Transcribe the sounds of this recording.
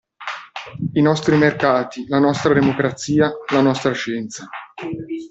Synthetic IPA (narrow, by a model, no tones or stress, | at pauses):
inɔst̪ɾimerkaːt̪ilanɔst̪ɾad̪emokɾat̪sːiːalanɔst̪ɾaʃɛnt̪sa